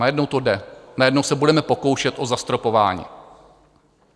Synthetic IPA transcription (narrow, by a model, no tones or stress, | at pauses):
ajɛdnowt̪o̞dɛnajɛdnowsɛbudɛmɛpo̞ko̞wʃɛt̪ʔo̞zast̪ɾo̞po̞va̰ːɲḭː